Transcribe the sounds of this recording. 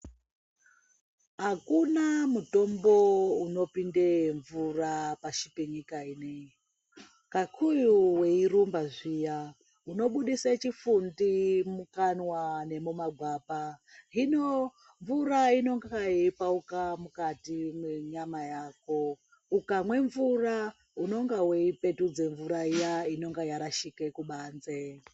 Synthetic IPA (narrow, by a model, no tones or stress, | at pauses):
ɦakunamuto̞mbo̞uno̞pindeɱvurapaʃipeɲikainei | kakʰujuwe̞irumbaʐija | uno̞ɓuɗisat͡ʃifundimukanwane̞mumaɡʱwaːpaɦino | ɱvuɾaino̞ŋɡaajeipaukamukatimeɲamajaːko̞ | ukamwe̞ɱvura | uno̞ŋɡaweipe̞tud͡zeɱvuɾaijaino̞ŋɡajaɾaʃikekuɓanze